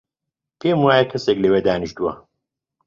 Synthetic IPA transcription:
pʰeːmuwaːjɐkʰɐseklewed̪aːniʃt̪uwɐ̰

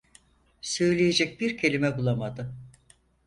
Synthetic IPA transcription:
sø̞jlʲejed͡ʒɛc̚biɾcʰe̞lʲimɛbulˠamad̪ɯ

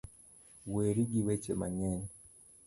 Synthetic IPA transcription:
weɾiɡiwet͡ʃema̰ɲɛɲ

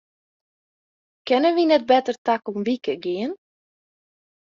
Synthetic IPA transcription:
kɛnənʋinɛt̚bɛtərtakɔmʋikəɡɪən

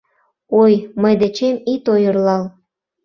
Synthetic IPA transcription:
ojməjd̪et͡ɕemit̪ojərlɑl

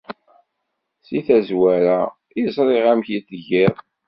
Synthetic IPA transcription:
siθæzwæɾæ | izˤɾˤeʁæmçit̪ʝɪɾ

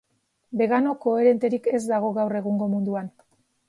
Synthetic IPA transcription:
be̞ɣano̞ko̞e̞ɾe̞nt̪e̞ɾike̞zd̪aɣ̞o̞ɣawre̞ɣ̞uŋɡo̞mund̪uan

